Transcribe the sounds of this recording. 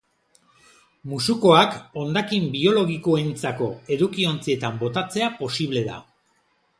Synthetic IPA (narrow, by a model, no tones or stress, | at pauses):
musuko̞ako̞nd̪akimbio̞lo̞ɣiko̞ent͡sako̞e̞ðukio̞nt͡sie̞t̪ambo̞t̪at͡se̞apo̞siβ̞le̞ða̰